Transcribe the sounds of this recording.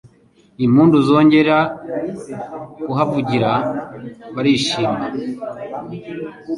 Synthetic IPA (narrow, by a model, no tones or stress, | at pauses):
im̥huːnduzo̞ːɲɟe̞ɾɾa | kuɦavuɟiɾa | βaɾiʃiːmɡa